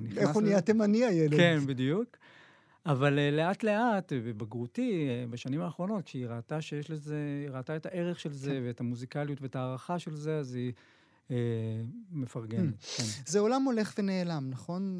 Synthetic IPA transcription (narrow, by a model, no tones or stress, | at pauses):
niχeoniatemaniajelekenbidijuk | avalele̞atleatbebaɡʁutibaʃanimaːχʁo̞no̞t̚kiʁat̪aʃejeʃlezeʁaːtaetaʔe̞ʁeχʃe̞lze̞veːtamuzikaljutveetaːʁaχaʃe̞lzeazi | e | mefaʁɡenetkenzeo̞lamo̞le̞χvene̞ːlamnaχo̞n